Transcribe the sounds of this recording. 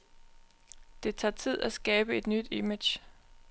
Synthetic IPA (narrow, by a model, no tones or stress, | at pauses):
d̥e̝t͡sʰɑ̈ːt͡sʰið̞̰ˠæsɡ̥ɛːb̥əe̝d̥nyd̥imed̥ɕ